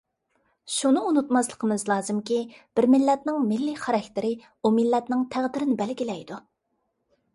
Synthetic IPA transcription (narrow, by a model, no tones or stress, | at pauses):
ʃunɨunut̪mɑslˠə̥qʰəmɨzlˠɑːzɨmkʲib̥ɪɾmɪlːɛt̪nɪŋmɪlːiχæɾɛkʲt̪ɪɾɪ | umɪlːɛt̪nɪŋt̪ʰæʁd̪ɪɾɪnɪbɛlɡʲilɛjd̪u